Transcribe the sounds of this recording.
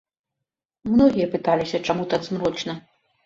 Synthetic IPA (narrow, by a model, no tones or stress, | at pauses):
mnɔɣʲijɐpɨt̪alʲisʲɐt͡ʂamut̪ad̪zmɾɔt͡ʂnɐ